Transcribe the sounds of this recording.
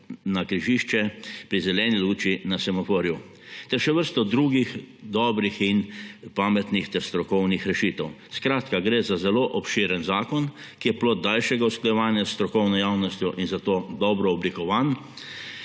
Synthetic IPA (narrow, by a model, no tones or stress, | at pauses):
nakɾiʒiʃt͡ʃɛpɾizɛlɛːniluːt͡ʃinasamɔfoːɾju | t̪ɛɾʃɛʋəɾst̪ɔd̪ɾuːɡixd̪ɔːbɾixinpaːmɛt̪nixt̪ɛɾst̪ɾɔkɔwnixɾɛʃit̪ɛw | skɾaːt̪kaɡɾeːzazɛloːʔɔpʃiːɾɛnzaːkɔn | kijɛploːd̪̚d̪alʃɛɡausklajɛʋaːnjasːt̪ɾɔkɔwnɔjawnɔst̪jɔʔinzat̪oːd̪ɔːbɾɔːblikɔʋan